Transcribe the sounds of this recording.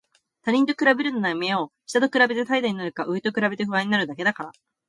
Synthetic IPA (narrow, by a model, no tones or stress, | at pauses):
t̪aɲ̟ʲĩnt̪̬o̞kɯɾabe̞ɾɯ̟nonameoɕi̥t̪at̪okɯ̟ɾabe̞t̪e̞t̪aid̪aɲ̟inaɾɯ̟kaʔɯ̟et̪okɯ̟ɾabe̞t̪eɸɯ̟βãɲ̟inaɾɯ̟d̪ake̞d̪akaɾa